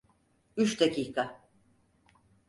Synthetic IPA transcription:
yt͡ʃd̪acʰiːkʰa

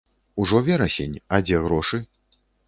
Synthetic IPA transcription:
uʐɔvʲɛɾɐsʲenʲɐd͡zʲɛɣɾɔʂɨ

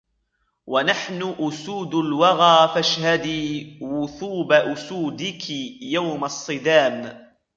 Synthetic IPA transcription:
wʔanaħnʊʔʊsuːd̪ʊlwɑɣaːfaʃhad̪iːwʊθuːbaʔʊsuːd̪ɪkɪjawmɑsˤːɨd̪aːm

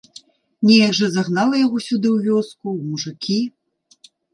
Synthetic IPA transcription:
nʲɛjɐɡʐɐzaɣnalˠɐjaɣɔsʲud̪ɨwvʲɔskumuʐɨkʲʰi

